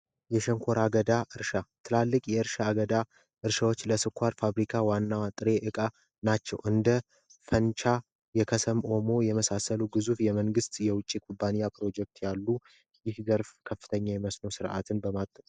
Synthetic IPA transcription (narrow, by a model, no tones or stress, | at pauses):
jɛʃɛŋkʷʰo̞ɾaɡəd̪aʔɨɾʃat̪ʰɨlalːɨkʼjɛɨɾʃaːɡəd̪a | ʔɨɾʃawo̞t͡ʃːləsɨkʷʰːaɾfaβɾikʰawanːawat̪ʼɨɾe̞ʔɨkʼa | nat͡ʃːɛ̰wʔɨnd̪ə | fənt͡ʃʰa | jɛkʰəsəmʔo̞mo̞jɛməsasəluɡɨzufjɛməŋɡɨst̪jɛwʊt͡ʃʼːikʰubːanijapʰɾo̞d͡ʒɛk̚t̪ʰjalːu | jɪhzəɾfkʰəfːɨt̪ʰəɲːajɛməsno̞sɨɾʔa̰t̪ʰɨnbəmat̪ʼːət